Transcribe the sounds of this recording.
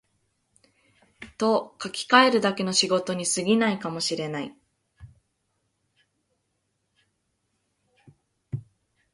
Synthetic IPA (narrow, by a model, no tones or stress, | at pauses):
t̪o̞kakʲi̥kae̞ɾɯ̟d̪ake̞no̞ɕiɡo̞t̪o̞ɲ̟isɨɡʲinaikamo̞ɕiɾe̞nai